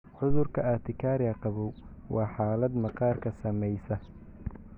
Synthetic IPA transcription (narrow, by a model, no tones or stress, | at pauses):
ħʊðʊrkʰɐat̪ʰɪkʰaːɾɪɐqɑβɔw | wʔɑːħɑːlɐd̪mɐqɑːrkʰɐsɐmɛjsɐ